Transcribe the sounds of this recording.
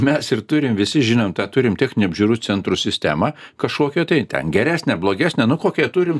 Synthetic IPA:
mʲɛsɪrt̪ʊɾʲɪmʋʲɪsʲɪʒʲɪnomt̪ɑːt̪ʊɾʲɪmtʲɪknʲɪɐbʲʒʲuːɾuːt͡s̪ʲɛnt̪ɾʊsʲɪsʲt̪ʲæ̰ːmɑkɐʃkoːkʲɛt̪ɐɪt̪ʲɛ̰nɡʲɛɾʲæːsʲnʲɛblˠoːɡʲæːsʲnʲɛnʊkoːkʲɛt̪uɾʲɪm

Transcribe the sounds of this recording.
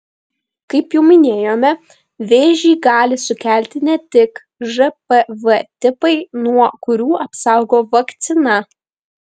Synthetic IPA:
kɐɪpjɛʊmʲɪnʲeːjoːmʲɛ | ʋʲeːʒʲiːɡɑːlʲɪsʊkʲæˑlʲt̪ʲɪnʲɛt̪ʲɪk | ʒɛpɛʋɛt̪ʲɪpɐɪnuɔkʊɾʲuːʔɐpsɑˑʊɡoːʋɐkt̪sʲɪnɐ

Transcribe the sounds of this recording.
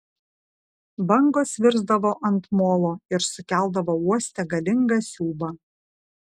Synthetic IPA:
bɐŋɡoːsʋʲɪɾzd̪ɐʋoːʔɐnt̪moːlˠoːɪɾsʊkʲæˑlˠˑd̪ɐʋoːuɔsʲt̪ʲɛɡɐlʲɪŋɡɑsʲuːbɐ

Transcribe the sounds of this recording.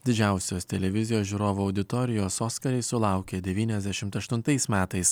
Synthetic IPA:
d̪ʲɪd͡ʒʲæˑʊsʲoːst̪ʲɛlʲɛʋʲɪzʲɪjoːsʒʲuːɾoːʋuɐʊd̪ʲɪt̪ɔːɾʲɪjoːsoːskɐɾʲɛɪsʊlˠɐˑʊkʲeːd̪ʲɛʋʲiːnʲɛzʲd̪ʲæʃʲɪmt̪ɐʃt̪ʊnt̪ɐɪsmʲæːt̪ɐɪs

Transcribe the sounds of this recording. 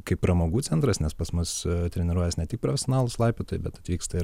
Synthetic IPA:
kɐɪpːɾɐmoːɡuːt͡s̪ʲɛnt̪ɾɐsnʲɛspɐsmʊst̪ʲɾʲɛnʲɪɾuɔjɛsnʲɛt̪ʲɪk̚pɾofʲɛsʲonɑːlˠʊslˠɑɪpʲeːt̪oːjɪbʲɛt̪ɐt̪ʲʋʲiːkst̪ɐɪɾ

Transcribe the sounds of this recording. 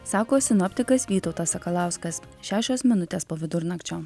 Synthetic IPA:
sɑːkoːsʲɪnɔpʲt̪ʲɪkɐsʋʲiːt̪ɒʊt̪ɐsɐkɐlˠɑˑʊskɐs | ʃʲæːʃʲoːsmʲɪnʊt̪ʲeːspoːʋʲɪd̪ʊɾnɐkt͡ʃʲoː

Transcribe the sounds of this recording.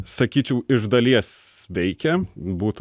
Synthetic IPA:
sɐkʲiːt͡ʃʲɛʊɪʒd̪ɐlʲiɛsʋʲɛɪkʲɛbuːt̪

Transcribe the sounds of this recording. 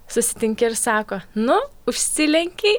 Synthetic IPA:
sʊsʲɪ̥t̪ʲɪŋʲkʲɪɪɾsɑːkoːnʊʊʃʲsʲɪlʲɛŋʲkʲɛɪ

